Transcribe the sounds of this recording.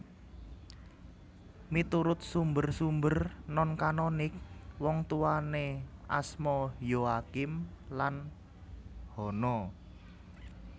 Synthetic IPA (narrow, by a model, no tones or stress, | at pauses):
mit̪uɾʊt̪̚sumbərsumbərnɔnkanɔnɪk̚wɔŋt̪uwaneʔasmɔjoakɪmlan | hɔnɔ